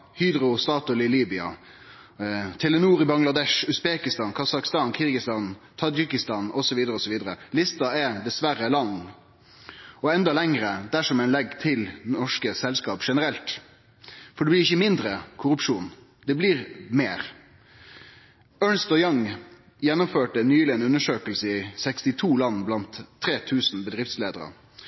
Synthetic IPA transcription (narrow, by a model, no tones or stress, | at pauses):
hyːd̪ɾʊst̪ɑːt̪ʊlɪliːbɪɑ̰ | t̪ʰɛlɛnuːɾɪbɑŋlɑd̪ɛʂʉsbeːkɪst̪ɑːnkʰɑsɑkst̪ɑːnkʰɪɾɡɪst̪ɑnt̪ʰɑd͡ʒɪkɪst̪ɑnɔsɔʋiːd̪əɾəɔsɔʋiːd̪əɾəlɪst̪ɑɛd̪ɛsʋæɾəlɑnː | ɔɛnd̪ɑlɛŋɾəd̪æʂɔmæɪnlɛɡːt̪ʰɪlnɔʂkəsɛlskɑːpʂɛnəɾɛlt̪ | fɔɖɛblɪɪçəmɪnd̪ɾəkʰʊɾʉpʂuːn | d̪ɛblɪʁmeːʁ | œːnst̪ɔjɑŋ | jɛnːʊmføːʈənyːlɪɛnʉnːəʂøːkəlsəɪsɛkst̪ɪt̪ʰuːlɑnːblɑnt̪ʰːɾeːt̪ʰʉːsn̩bəd̪ʁɪft̪sleːd̪əɾə̰